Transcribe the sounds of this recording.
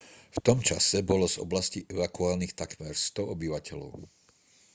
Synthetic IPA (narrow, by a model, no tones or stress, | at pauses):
ft̪ɔmt͡ʃa̰sɛbɔlɔzɔ̰blasciʔɛʋakuaːlnixt̪akmɛɾst̪ɔɔbiʋacɛlɔ̰ʊ